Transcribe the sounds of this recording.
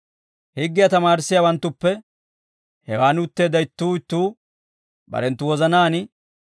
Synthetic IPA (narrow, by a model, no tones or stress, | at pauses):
hɪɡːɪjɐt̪ɐmaːɾɪsːɪjawɐnt̪ːʊpːɛ | hɛwaːnʊt̪ːeːd̪ɐjɪt̪ːuːɪt̪ːuː | bɐ̰ɾɛnt̪ːʊwɔzɐnaːnɪ